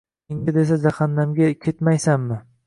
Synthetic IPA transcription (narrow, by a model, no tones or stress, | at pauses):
ɪŋʲɪd̪esad͡ʒaχanːamɡʲakʲʰet̪majsamːɪ